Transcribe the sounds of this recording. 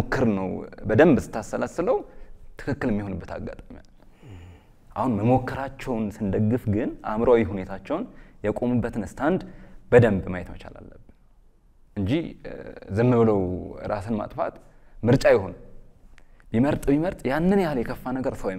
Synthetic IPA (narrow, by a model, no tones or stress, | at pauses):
okʰːɨɾnəwbəd̪əmbsɨ̥t̪ʰːasːələsɨləwt̪ʰɨ̥kʰɨkːɨljɛmːiho̞nɨbːət̪ʰa̰ɡːat̪ʼamja̰l | ʔahunməmo̞kːəɾat͡ʃːɛwnsɨnd̪əɡːɨfɡɨnʔa̰mɾawihune̞t̪ʰat͡ʃːɛwnjɛkʼo̞mubːət̪ʰɨnɨst̪ʰand̪bəd̪əmbmajɛt̪mə̰t͡ʃa̰la̰lːəbːɨn | ʔɨɲd͡ʒi | zɨmːɨβɨləwɨ̰ɾa̰sɨnma̰t̪ʼfa̰t̪mɨɾt͡ʃʼajɪho̞n | biməɾt̪ʼbiməɾt̪ʼjanːɨnjaljɛkʰəfːanəɡəɾsəwm